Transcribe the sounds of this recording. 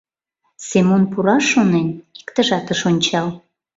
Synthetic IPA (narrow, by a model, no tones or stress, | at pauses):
semonpuɾɑʃːoneni̥kt̪əʒɑt̪əʃonʲt͡ɕɑl